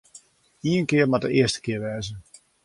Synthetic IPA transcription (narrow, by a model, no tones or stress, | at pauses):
iənkɪərmadəɪəstə̥kɪərʋɛːzə